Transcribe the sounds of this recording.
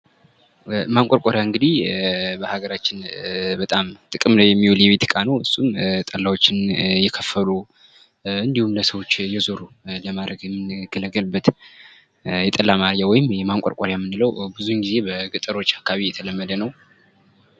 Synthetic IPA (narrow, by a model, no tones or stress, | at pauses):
maŋkʷʼoɾkʼoɾjaɨŋɡɨd̪ihbəhaɡəɾat͡ʃːɪnbət̪ʼamt̪ʼɨkʼɨmnəwjɛmːiwoljɛβet̪ʰkʼanəwhɨsʼːumt̪ʼəlːawot͡ʃːɪnjɛkʰəfːəlu | ɨnd̪ihumləsəwo̞t͡ʃːjɛzoɾu | ləmad̪ɾəɡjɛmːɨnɡ̥ələɡəlbːət̪ | jɛt̪ʼəlːamaɾjawɔjɪmjɛmaŋkʷʼɔ̰ɾkʷʼoɾjamːɨnːɨləwbɨzunɡize̞bəɡɨt̪ʼɨɾo̞t͡ʃːakʰːaβijɛt̪ʰələmːəd̪ənəw